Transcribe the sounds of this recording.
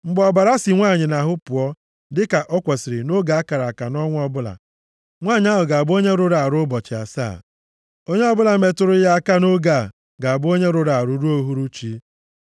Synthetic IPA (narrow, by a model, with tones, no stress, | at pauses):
ŋ͡m̩˦ɡ͡bɔ˨ba˨ɾa˦si˨ŋʷaː˦˨ɲɪ˨na˨ɦʊ˦pʊ˨ɔ˦ | dɪ˦ka˨ʔɔ˦kʷɔ˨sɪ˨ɾɪ˨no˦ɡa˨a˦ka˨ɾa˨a˨ka˨nɔ˦ŋʷ˦ɔ˦bʊ˦la̰˨ | ŋʷaː˦˨ɲ˦a˦ɦʊ˨ɡa˨bo˦ɲe˦ɾʊ˦ɾa˨ɾʊ˦bɔ˨t͡ʃɪ˨a̰˨sa̰ː˦˨ | o˦ɲe˦ɔ˦bʊ˦la˨me˨tʊ˦ɾʊ˦ja˦a˦ka˦no˦ɡa˨ | ɡa˨a˨bo˦ɲe˦ɾʊ˦ɾa˨ɾʊ˨˦ɾu˦o˦ɦu˦ɾu˦t͡ʃi˦